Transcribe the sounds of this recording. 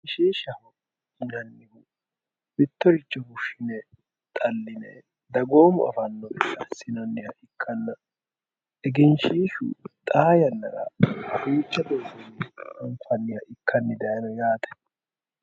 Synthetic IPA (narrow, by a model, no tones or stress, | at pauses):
ɪʃiːʃɐhʊ | ɪnɐnːɪhʊ | bɪt̪ːɔɾɪt͡ʃːɔhʊʃɪnɛ | t̪ʼɐlːɪnɛ̰ | d̪ɐɡo̞ːmʊɐ̰fɐnːɔbɛkːɐsɪnɐnːɪhɐʔɪkʰːɐnːɐ | ɛɡɛnʃiːʃṵt̪ʼaːjɐnːɐɾɐ̰ɐfuːt͡ʃːɐd̪oːɡɔnɪɐŋkʊɐnːɪhɐʔɪkːɐnːɪd̪ɐjɐnɔjaːt̪ɛ̥